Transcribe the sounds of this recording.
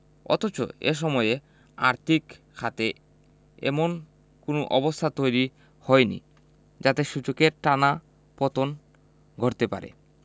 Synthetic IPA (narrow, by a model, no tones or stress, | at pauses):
ɔ̰t̪ot͡ɕo̰ḛʃ̬ɔmɔee | a̰ɾt̪ʰik | kʰat̪e | ɛ̰mon | konoʔɔbost̪ʰat̪ojɾi | hɔenḭ | d͡ʑat̪eʃud͡ʑokeɾʈana | pɔt̪on | ɡʱɔɾt̪epa̰ɾḛ